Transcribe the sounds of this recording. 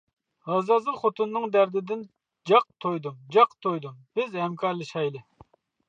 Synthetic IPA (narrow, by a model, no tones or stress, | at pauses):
hɑzɑzɨlˠχot̪ʰunːɨŋd̪æɾd̪ɪd̪ɪn | d͡ʒɑq̚t̪ʰojd̪umd͡ʒɑqt̪ʰojd̪umb̥ɪzhɛmkʰɑɾlˠɨʃɑjlɨ